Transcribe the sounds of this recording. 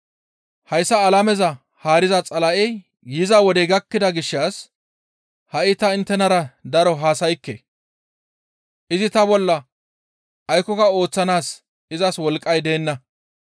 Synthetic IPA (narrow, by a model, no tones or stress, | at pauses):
hɐjsːɐːlɐmɛzɐ | haːɾɪzɐt͡sʼɐlɐʔɛj | jɪzɐwɔd̪ɛɡɐkːɪd̪ɐɡɪʃːaːs | hɐʔɪt̪ɐɪnt̪ːɛnɐɾɐd̪ɐɾɔɦaːsɐjkːḛ | ʔɪzɪt̪ɐbɔlːɐ | ɐjkːɔkɐo̞ːt͡sːɐnaːs | ɪzɐswɔlkʼːɐjd̪e̞ːnːɐ